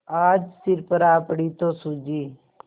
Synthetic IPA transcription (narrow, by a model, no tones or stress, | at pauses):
aːd͡ʒsɪɾpəɾaːpɽit̪osud͡ʒiː